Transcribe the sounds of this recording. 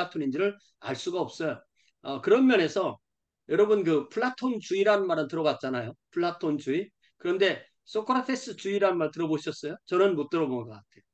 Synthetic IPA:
atʰonind͡ʑiɾɯɾ | a̰ɭs͈uɡaʌp̚s͈ʌjo | ʌkɯɾʌnmjʌne̞sʰʌ | jʌɾʌbɯnkɯpʰuɭːatʰont͡ɕuiɾanɯnmaɾɯntɯɾʌɡat̚t͡ɕ͈anajopʰuɭːatʰont͡ɕui | kɯɾʌnde̞ | s͈ʰok͈ʰoɾatʰe̞s͈ɯt͡ɕuiɾanɯnmaɭtɯɾʌboɕʰʌs͈ʌjot͡ɕʌnɯnmot̚t͈ɯɾʌbonɯɡʌk͈atʰe̞jo

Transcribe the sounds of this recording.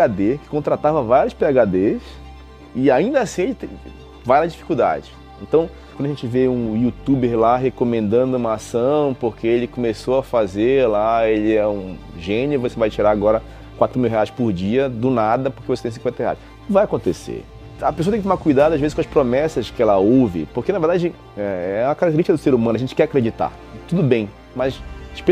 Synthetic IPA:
ɡad̪ekɪ̥kõt̪ɾat̪avɐvaɾjʊspeaɡad̪es | ɪaĩnd̪ɐasĩelɪt̪ẽ | vajlɐd͡ʒifi̥kuwd̪a̰d͡ʒɪ | ẽnt̪ɐ̃w̃ | kɐ̃d̪ɐʒẽt͡ʃɪveũjut̪ubeɾlaɦekomẽnd̪ɐ̃nd̪ʊũmɐasɐ̃w̃poɾkeelɪkomesoɐfazeɾlaelɪɛũ | ʒẽnʊvosevajt͡ʃiɾaaɡɔɾɐ | kwat̪ɾʊmiwɦeajspʊɾd͡ʒiɐd̪ʊnad̪ɐpokevose̥t̪ẽsĩkwẽt̪ɐhea̰js | vajakõnt̪esḛ | ɐpesoɐt̪ẽŋkt̪omakujd̪ad̪ʊɐaʒvezɪʃkõɐʃpɾomɛsɐskɪɛlɐowvɪ̰poɾkenɐveɾd̪ad͡ʒɪ | ɛɛũmɐkaɾkt̪eɾiʃt͡ʃikɐd̪ʊseɾumɐ̃nʊɐʒẽnt͡ʃɪ̥kɛɾakɾed͡ʒit̪a̰ | t̪ud̪ʊbẽj̃ | mɐsʃpe

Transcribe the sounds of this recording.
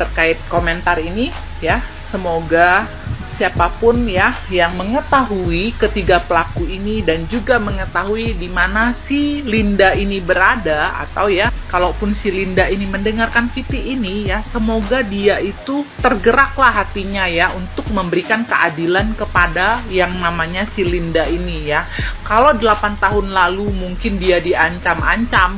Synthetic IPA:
t̪ərkaɪt̪̚komɛnt̪arini | ja | səmoɡa | siapapʊnjajaŋməŋət̪aɦuikət̪iɡapəlakuinidand͡ʒuɡaməŋət̪aɦuidimanasilindainibəɾadaa̰t̪awjakalapʊnsilindainiməndəŋarkanfit̪iːnijasəmoɡadiaʔit̪ut̪ərɡəɾaklahɦat̪iɲajaunt̪ʊk̚məmbəɾikankəʔadilankəpadajaŋnamaɲasilindainijakalodəlapant̪aɦʊnlalumuŋkɪndiadiaɲt͡ʃama̰ɲt͡ʃam

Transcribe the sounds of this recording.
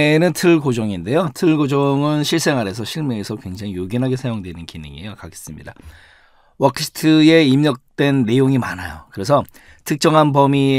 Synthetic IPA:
nɯntʰɯɭɡod͡ʑʌŋinde̞jotʰɯɭɡod͡ʑʌŋɯnɕʰiɭs͈e̞ŋɦaɾe̞s̬ʰʌɕʰiɭmeːsʰʌkwe̞ŋd͡ʑaŋijoɡinɦaɡesʰajoŋdwe̞nɯnkinɯ̰ŋḛjokaɡe̥s͈ɯmɲida | wakʰsʰi̥tʰɯe̞imɲʌk̚t͈we̞nːe̞joŋima̰najo̰kɯɾe̞sʰʌ | tʰɯk̚t͡ɕ͈ʌŋɦanbʌmi

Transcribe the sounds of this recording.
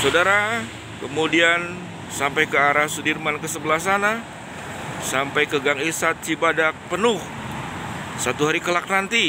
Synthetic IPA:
sawdaɾa | kəmudian | sampajkəaɾahsudirmankəsəbəlas̬ana | sampajkəɡaŋisat̪̚sibadak̚pənʊh | sat̪uɦaɾikəlak̚nant̪i

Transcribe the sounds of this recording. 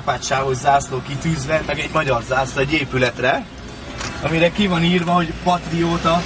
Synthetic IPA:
paːtʃaːɦo̞zːaːsloːkit̪yːzʋɛmɛɡɛɟmɒɟɒrzaːslɒɛɟːeːpylɛt̪rɛ | ɒmiɾɛkivɒniːrvɒɦo̞ɟpɒt̪rioːt̪ɒ

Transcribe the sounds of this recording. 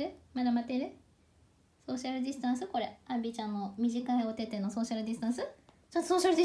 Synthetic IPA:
ɯmad̪amat̪eɾɯ̟ | so̞ːɕiaɾɯ̟d̪ʲisɨ̥t̪ãɰ̃sɨko̞ɾe̞ãmbʲit͡ɕãnːo̞mʲiʑikaeot̪e̞t̪e̞no̞so̞ːɕiaɾɯ̟d̪ʲisɨ̥t̪ãɰ̃sɨ | t͡ɕont̪osoːɕaɾɯ̟d̪ʲi

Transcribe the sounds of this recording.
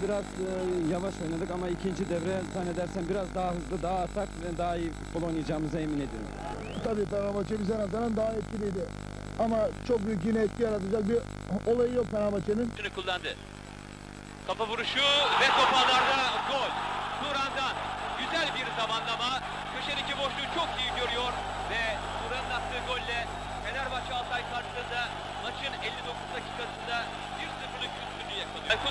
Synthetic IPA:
biɾazjavaʃo̞jnad̪ɯkamaicʰind͡ʒid̪ɛvɾɛzanːed̪æɾsænbiɾazd̪aɦaɦɯzlˠɯd̪aɦːt̪ʰakvɛd̪aːifut̪bolˠojnɯjad͡ʒaːmɯzaemine̞d̪i | t̪ʰabiːpaɾabat͡ʃʰebizɛnazaɾand̪aɦaɛt̪̚cʲilʲijd̪ɪ | amat͡ʃʰo̞k̚byjyc̬ɟinɛɛt̪̚cʰʲijaɾat̪ʰad͡ʒak̚bi | o̞lˠajɯjo̞k̚pʰaɾabat͡ʃʰeninʃynykʰulˠːand̪ɯ | kʰapabuɾuʃuvɛt̪opaaɾd̪aɡolʲsuɾand̪anɟyzælʲbiɾzamanlˠama | kʰøʃanicibo̞ʃlˠut͡ʃʰo̞kijiɟø̞ɾyjoɾ | vɛ | muɾat̪lˠat̪̚ʰːɯːɡolʲlːʲɛ | fenæɾbat͡ʃʰalˠt̪ʰajkʰaɾʃɯlˠɯɾɯnd̪a | mat͡ʃʰɯnɛlʲːid̪o̞kʰuzacʰi̥kʰat̪ɯnd̪a | biɾsɯfɯlˠukyst̪ʰynːyjakʰalˠɯjku

